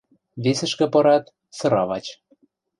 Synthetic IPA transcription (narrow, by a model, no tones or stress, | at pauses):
βesə̆ʃkɤ̆pɤ̆ɾɑt̪ | sɤ̆ɾɑβɑt͡ɕ